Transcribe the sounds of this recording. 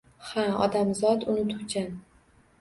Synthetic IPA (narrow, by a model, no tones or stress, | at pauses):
haɒ̰d̪amzɒt̪ʊnɪt̪ʰʊɡʲan